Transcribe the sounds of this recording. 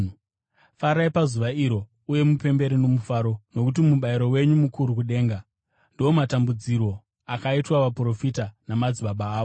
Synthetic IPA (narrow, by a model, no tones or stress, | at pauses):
faɾaipazuʋaiɾo̞ | uje̞mupe̞mbe̞ɾino̞mufaːɾo̞no̞kutimuɓaiɾo̞we̞ɲumukuɾukuɗe̞ːŋɡa | ndoomatambud͡ziɾo̞ | akaitwaʋapro̞fitanamad͡ziɓaɓaːo